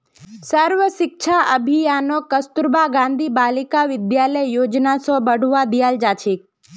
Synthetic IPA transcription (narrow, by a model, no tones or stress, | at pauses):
səɾʋəʃɪk̚ʃʰaʔəbʱijanokəst̪uɾbaɡãːnd̪ʱibaːlikaʋɪd̪jaləjjoːd͡ʒnasõbəɽ̤ʱuʋad̪ijald͡ʒaːt͡ʃʰik̚